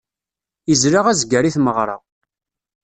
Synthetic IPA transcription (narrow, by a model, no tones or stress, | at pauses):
izɾaʁæzɡəɾiθməʁɾˤɑ̰